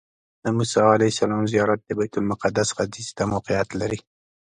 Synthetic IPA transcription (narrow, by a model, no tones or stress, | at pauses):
d̪̥əmusɑalajɪsalɑmzijɑɾat̪̚d̪əbajt̪ʊlmʊqad̪ːasɣad̪izt̪amawqijat̪laɾi